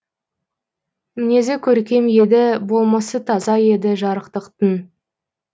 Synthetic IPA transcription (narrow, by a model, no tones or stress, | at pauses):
mɪne̞zekʲʰɵɾkʲe̞mje̞d̪ɪbo̞lˠmɑsət̪ʰɑzɑje̞d̪ɪʒɑɾəqt̪əqt̪ən